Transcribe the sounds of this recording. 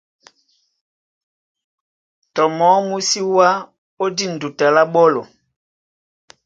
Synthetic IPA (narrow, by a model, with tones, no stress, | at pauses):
tɔ˨mɔ˨˦mu˦si˦wa˦ | o˦di˦˨n̩˨du˨ta˨la˦ɓɔ˦lɔ˨